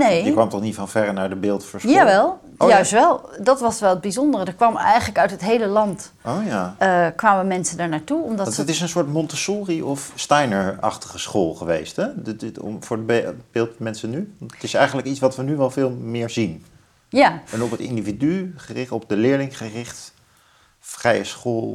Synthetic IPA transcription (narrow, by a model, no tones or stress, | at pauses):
nejkʋɑmtɔχnitfɑnvɛdənaːɹdəbɪːlˠtfəɹsaʋɛlˠ | jœɥsʋɛlˠdɑtʋɑsʋɛlˠəd̚bizɔndərədət̚kʋɑmɛ̰jχənləkœɥtɦətɦejləlɑnt | owjakʋaːməmɛnsəndaɹnaːɹtuɔmdɑətɪsənsʊːɹtmɔntəsuːriʔɔfstajnəɹɑ̰χtə̥χəsχoːlˠχəʋḛjstɛ̰ | vʊːɹədbebɪːlˠtmɛnsənytɪsɛjχənləkitt͡ssʋɑtʋənyʋɛlˠvɪːlˠmɪːɹzin | jaɛnɔpətɪ̰ndividyχərɪχɔp̚dəlɪːɹlɪŋχərɪχt | frɛjəsχoːlˠ